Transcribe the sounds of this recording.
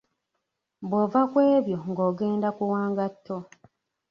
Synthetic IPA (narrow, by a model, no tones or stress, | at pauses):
bwovakwe̞ːβjo̞ŋɡoːɡe̞ːndakuwaːŋɡatʰːo